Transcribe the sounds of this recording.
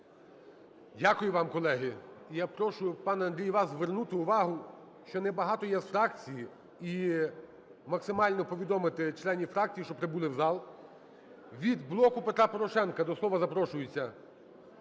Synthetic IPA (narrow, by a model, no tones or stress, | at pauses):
dʲakʊjʊʋɑmkɔlˠɛɦɪijapɾɔʃʊjʊpɑnɐnd̪ɾʲijʋɑszʋernut̪ɪʊʋɑɦʊ | ʃt͡ʃɔnɛbɐɦɑt̪ɔjɛsfɾɑkt͡sʲiji | i | mɐksɪmɑlʲnɔpɔʋʲid̪ɔmɪt̪ɪt͡ʃlˠɛnʲifɾɑk̚t͡sʲijiʃt͡ʃɔpɾeɪbulˠɪwzɑlˠ | ʋʲid̪blˠɔkʊpet̪ɾɑpɔɾɔʃɛnkɐd̪ɔslˠɔʋɐzɐpɾɔʃʊjʊt͡sʲːɐ